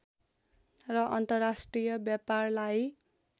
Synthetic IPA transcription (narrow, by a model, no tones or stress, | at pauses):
rʌʔʌnt̪ʌrːasʈrijʌbjaparlaj